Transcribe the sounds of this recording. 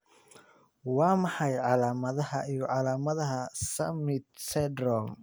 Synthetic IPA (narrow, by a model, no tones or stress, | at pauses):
wɑːmɑħɑjʕɑlaːmɐðɐhɐijɔʕɑlaːmɐðɐɦɐsɐmɪt̪sɛd̪ɾɔm